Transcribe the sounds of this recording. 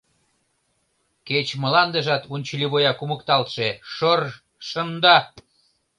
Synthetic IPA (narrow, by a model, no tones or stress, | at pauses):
ket͡ɕmə̆lɑnd̪ə̆ʒɑt̪unʲt͡ɕəliβojɑkuməkt̪ɑlt̪ʃeʃor | ʃənd̪ɑ